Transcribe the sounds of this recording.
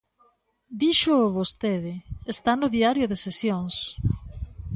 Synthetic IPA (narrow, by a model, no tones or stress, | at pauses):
d̪iʃʊβost̪eðɪest̪anʊðiaɾjʊðesesjoŋs